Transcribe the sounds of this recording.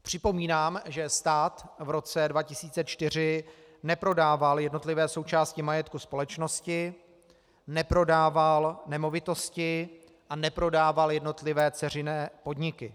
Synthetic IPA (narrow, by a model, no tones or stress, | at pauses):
pr̝̥ɪpo̞miːnaːmʒɛst̪aːt̪vɾo̞t͡sɛdvacɪsiːt͡sɛt͡ʃt̪ɪr̝ɪ | nɛpɾo̞daːvaljɛdno̞t̪lɪvɛːso̞wt͡ʃaːscɪmajɛt̪̚kuspo̞lɛt͡ʃno̞scɪ | nɛpɾo̞daːvalnɛmo̞vɪt̪o̞scɪ | ʔanɛpɾo̞daːvaljɛdno̞t̪lɪvɛːt͡sɛr̝ɪnɛːpo̞dɲɪkɪ